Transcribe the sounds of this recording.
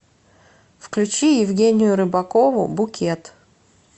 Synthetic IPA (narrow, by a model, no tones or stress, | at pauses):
fklʲʉt͡ɕijɪvɡʲenʲɪjʊɾɨbɐko̞vʊ̰bʊkʲet̪